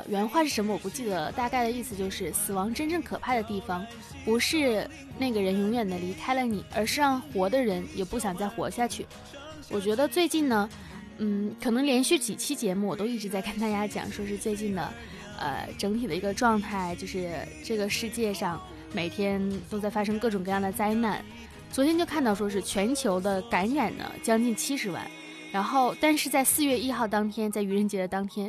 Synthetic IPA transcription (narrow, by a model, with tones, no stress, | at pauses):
ɥɛ˧˥nxwa˥˧ʂɻ̩˥˩ʂə˧˥mə˧wɔ˨˩pu˧˥t͡ɕi˥˩d̪ə˩t̪a˥˧ka˥˩ɪd̪ə˩i˥˩sɹ̩˩t͡ɕjo˥˧ʊʂɻ̩˥˩sɹ̩˨˩wɑ˧˥ŋʈ͡ʂə˥nʈ͡ʂɤ˥˩ŋkʰɤ˨˩pʰa˥˩d̪ə˩t̪i˥˩fɑ˧˩ŋ | pu˧˥ʂɻ̩˥˧ | na˥˩ɡə˩ɻə˧˥njʊ˧˥ŋɥɛ˨˩nd̪ə˦li˧˥kʰa˥ɪlə˧ni˨˩˦ʔə̰˞˧˥ʂɻ̩˥˧ɻɑ˥˩ŋxwɔ˧˥d̪ə˧ɻə˧˥njɛ˨˩pu˥˩ɕjɑ˨˩ŋt͡sa˥˩ɪxwɔ̰˧˥ɕja˥˩t͡ɕʰy˥˩ | wɔ˨˩t͡ɕɥɛ˧˥d̪ə˧t͡swe˥˧ɪt͡ɕi˥˩nnə˩ | n̩˥˩kʰɤ˨˩nɤ˧˥ŋljɛ˧˥nɕy˥˩t͡ɕi˨˩t͡ɕʰi˥t͡ɕjɛ˧˥mu˥˩wɔ˨˩t̪o˥ʊi˥˩ʈ͡ʂɻ̩˧˥t͡sa˥˧ɪkʰə˥˩nt̪a˥˧˩t͡ɕja˥t͡ɕjɑ̰˨˩ŋʂwɔ˥ʂɻ̩˥˧t͡swe˥˧ɪt͡ɕi˥˩nd̪ə̰˩ | ə̰˧ʈ͡ʂɤ˧˥ŋt̪ʰi˨˩d̪ə˦i˧˥ɡə˧ʈ͡ʂwɑ˥˧ŋt̪ʰa˥˩ɪt͡ɕjo˥˧ʊʂɻ̩˥˧ʈ͡ʂɤ˥˩ɡə˩ʂɻ̩˥˧t͡ɕjɛ˥˧ʂɑ˥˩ŋ | me˨˩ɪt̪ʰjɛ˥nt̪o˥ʊt͡sa˥˩ɪfa˥ʂ̬ɤ˥ŋkɤ˥˩ʈ͡ʂʊ˨˩ŋkɤ˧jɑ˥˩ŋd̪ə˩t͡sa˥ɪna˥˩n | t͡swɔ˧˥t̪ʰjɛ˥nt͡ɕjo˥˧ʊkʰa˥˧nt̪ɑ˥˩ʊʂwɔ˥ʂɻ̩˥˩t͡ɕʰɥɛ˧˥nt͡ɕʰjo˧˥ʊd̪ə˧ka˧˥nɻa˨˩nnə̰˦t͡ɕjɑ˥ŋt͡ɕi˥˩nt͡ɕʰi˥ʂɻ̩˧˥wa̰˥˩n | ɻa˧˥nxo˥˩ʊt̪a˥˧nʂɻ̩˥˧t͡sa˥˧ɪsɹ̩˥˧ɥɛ˥˧i˥xɑ˥˩ʊt̪ɑ˥ŋt̪ʰjɛ˥nt͡sa˥˩ɪy˧˥ɻə˧˥nt͡ɕjɛ˧˥d̪ə˧t̪ɑ˥ŋt̪ʰjɛ˥n